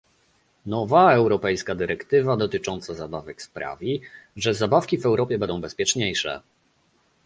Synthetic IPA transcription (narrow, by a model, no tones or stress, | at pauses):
nɔvaɛwɾɔpɛjskad̪ɘɾɛkt̪ɘvad̪ɔt̪ɘt͡ʂɔnt̪sazabavɛkspɾa̰vʲiʐɛzabafkʲivɛwɾɔpʲjɛbɛnd̪ɔ̃w̃bɛspʲjɛt͡ʂɲejʂɛ̰